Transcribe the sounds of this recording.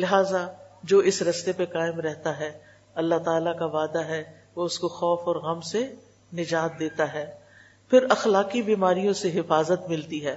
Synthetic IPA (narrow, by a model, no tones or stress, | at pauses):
lɪɦaːzad͡ʒoːɪsɾɐst̪epekaːɪmɾɛɦt̪aɦɛː | ɐlːaɦt̪aːlakaʋaːd̪aɦɛ | ʋoʊskoxɔːfɔːɾɣɐmse | nɪd͡ʒaːt̪̚d̪eːt̪aɦɛː | pʰɪɾɐxlaːkibiːmaːɾijõseɦɪfaːzət̪mɪlt̪iɦɛː